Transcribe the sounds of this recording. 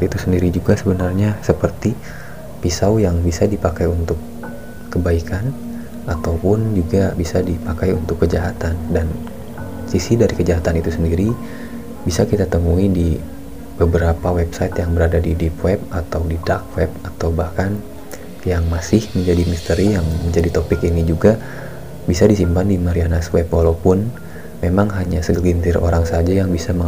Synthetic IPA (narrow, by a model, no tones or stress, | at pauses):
it̪usəndiɾid͡ʒuɡasəbənarɲasəpərt̪i | pisawjaŋbisadipakajunt̪ʊkː | əbaikʰan | at̪awpʊnd͡ʒuɡabisadipakajunt̪ʊkːəd͡ʒaɦat̪andan | sisidaɾikəd͡ʒaɦat̪anit̪usəndiɾi | bisakit̪at̪əmuidi | b̥əbəɾapawɛpsait̪jaŋbəɾadadidipwɛp̚at̪awdidak̚wɛp̚at̪awbahkan | jaŋmasɪhməɲd͡ʒadimist̪əɾijaŋməɲd͡ʒadit̪opɪkinid͡ʒuɡa | bisadisimpandimaɾianaswɛpwalawpʊn | memaŋɦaɲasəəɡint̪ɪrʔo̰ɾaŋsad͡ʒajaŋbisaməŋ